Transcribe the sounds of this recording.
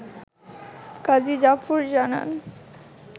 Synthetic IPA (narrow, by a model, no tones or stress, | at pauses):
kad̪id͡ʑafuɾd͡ʑana̰n